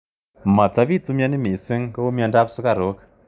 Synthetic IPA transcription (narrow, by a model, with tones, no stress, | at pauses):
ma˨t͡sa˦pi˦˨t͡su˦mja˦ni˦mi˨sɪ˦ŋkə˦o˦mja˧nda˦p̚su˦ka˦˨ɾo˨˦k